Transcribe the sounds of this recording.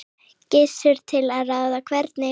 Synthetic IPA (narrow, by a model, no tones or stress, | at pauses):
cɪsʏɾ̥t̪ʰɪlaðraːwðakʰvɛɾt̪nɪ